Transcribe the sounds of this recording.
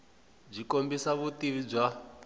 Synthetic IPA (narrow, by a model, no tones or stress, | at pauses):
b͡ʐikombisaβutiβib͡ʐa